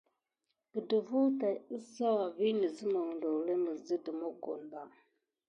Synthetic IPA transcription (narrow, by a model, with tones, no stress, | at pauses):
bə˨də˨vu˦ta˨ə˦za˦wa˨vi˦nə˨zə˦mə˨ŋ˨ndo˨le˦mə˨zə˦də˨mo˦ɡo̰˨n˨da˨